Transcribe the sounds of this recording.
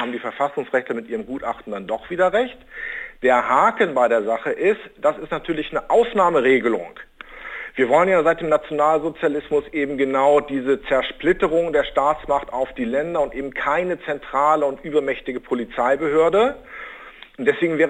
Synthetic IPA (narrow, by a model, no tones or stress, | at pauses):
haːbm̩diːfɛɐfasʊŋsʁɛçtlɐmɪtʔiːʁəmɡuːtʔa̰χtn̩d̥andɔχv̥iːdɐʁɛçtd̥eːɐhaːkl̩nbaɪɾeːɐzaχəʔɪstd̥asɪstnatʰyːɐlɪçnəʔaʊsnaːməʁeːɡəlʊ̰ŋ | v̥iːɐvɔlənjaːzaɪt̚d̥eːmnat͡sjonaːlzot͡sjalɪsmʊsʔeːbm̩ɡənaʊdiːzət͡sɛɐʃplɪtəʁʊŋdeːɐʃtaːt͡smaχtaʊfd̥iːlɛndɐʊntʔeːbm̩kʰaɪnət͡sɛntʁ̥aːləʊntʔyːbɐmɛçtɪɡəpʰolit͡saɪbəɦøːɐdə | ʊntd̥ɛsv̥eːɡŋ̩vɛː